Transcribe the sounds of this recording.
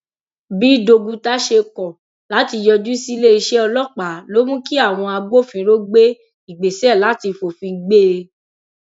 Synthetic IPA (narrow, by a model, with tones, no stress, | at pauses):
bi˦do˧ɡũ˧ta˦ʃe˧kɔ˨ | la˨˦ti˧jɔ˧d͡ʒu˦si˦le˦i˧ʃɛ˦ɔ˧lɔ˦˨k͡pa˨˦lo˦mũ˦ki˦a˦˨w̃ɔ̃˧a˧ɡ͡bo˦˨fĩ˧˦ɾo˦ɡ͡be˦ | i˦˨ɡ͡be˨sɛ˦˨la˨˦ti˧fo˨fĩ˧ɡ͡be˦e˧